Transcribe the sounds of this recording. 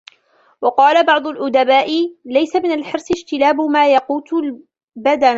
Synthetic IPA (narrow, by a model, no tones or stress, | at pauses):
wɑqɑːlabɑʕd̪ˤʊlʔʊd̪abaːʔɪlajsamɪnalħɪɾsˤɪʃt̪ɪlaːbʊmaːjɑquːt̪ʊl | bad̪an